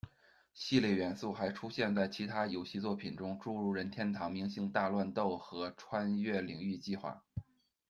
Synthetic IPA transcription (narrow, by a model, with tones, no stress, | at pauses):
ɕi˥˧ljɛ˥˩ɥɛ˧˥nsu˥˩xa˧˥ɪʈ͡ʂʰu˥ɕjɛ˥˧nt͡sa˥˩ɪt͡ɕʰi˧˥t̪ʰa˥jo˨˩ʊɕi˥˧t͡swɔ˥˩pʰi˨˩nʈ͡ʂʊ˥ŋʈ͡ʂu˥˧ɻu˥˩ɻə˧˥nt̪ʰjɛ˥nt̪ʰɑ˧˥ŋmi˧˥ŋɕi˥˧ŋt̪a˥˧lwa˥˧nt̪o˥˩ʊxɤ˧˥ʈ͡ʂʰwa˥nɥɛ˥˩li˨˩ŋy˥˧t͡ɕi˥˧xwa̰˥˩